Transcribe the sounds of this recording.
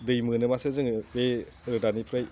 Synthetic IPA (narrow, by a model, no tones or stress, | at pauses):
dɯjmɯnɯmasɯzɯŋbe | ɾɯdanipʰɾaj